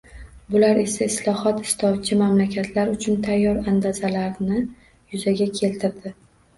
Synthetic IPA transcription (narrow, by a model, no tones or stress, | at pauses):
bʊlaɾe̞saɪslˠɒhɒt̪ɪ̥st̪ʰɒd̪̚t͡ʃʰɪmamlakʲat̪ʰlaɾʊt͡ʃʰʊnt̪ʰajːɒɾand̪azalaɾnɪ | jʊzaɡʲakʲʰe̞lt̪ʰɪɾd̪ɪ